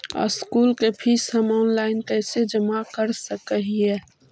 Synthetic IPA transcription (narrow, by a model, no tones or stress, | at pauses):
ɔ̰skuːlkepʰishəmɔːnlaːɪnkɛːsed͡ʒəmakəɾsəkəɦiɦɛː